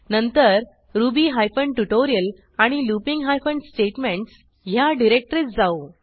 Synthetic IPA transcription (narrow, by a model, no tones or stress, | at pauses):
nənt̪əɾ | ɾubiːɦajfəɳɖʈuʈoɾijəl | aɽ̃ilupiŋɡɦajfəɳɖsʈeʈmẽɳʈs | ɦjaɖiɾek̚ʈɾit͡sd͡zao